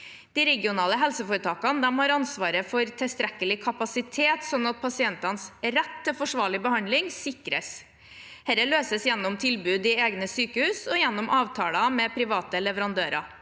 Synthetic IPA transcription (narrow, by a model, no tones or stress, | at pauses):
d̪̥ɪɾɛɡɪʊnɑːləɦɛlsəfuːɾət̪ʰɑːkɑnəd̪ɛmhɑɾɑnsʋɑːɾəfɔɾt̪ʰɪst̪ɾɛkːəlɪkʰɑpɑsɪt̪ʰeːt̪sɔnɑt̪̚pʰɑsɪɛnt̪ɑnsɾɛt̪ːəfɔʂʋɑːɭɪbəhɑnd̪lɪŋsɪkɾəs | hɛɾəløːsəsjɛnːʊmt̪ʰɪlbʉːd̪ɪeːɡnəsyːkəhʉːsɔjɛnːʊmʔɑːʋt̪ʰɑːlɑmɛpʰɾɪʋɑːt̪əlɛʋəɾɑnd̪øːɾɑ̰